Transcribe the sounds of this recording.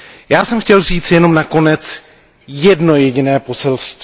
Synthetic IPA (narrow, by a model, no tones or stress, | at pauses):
jaːsɛmxcɛlziːt͡sjɛno̞mnako̞nɛt͡s | jɛdno̞jɛɟɪnɛːpo̞sɛlst̪v